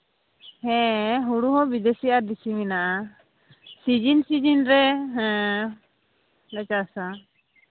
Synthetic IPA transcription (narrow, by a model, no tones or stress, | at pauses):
hɛ̃ɦuɽuɦɔ̃bid̪esiaɾd̪isiminaʔa | sid͡ʒinsid͡ʒinɾɛɦɛ̃ | lɛt͡ʃasa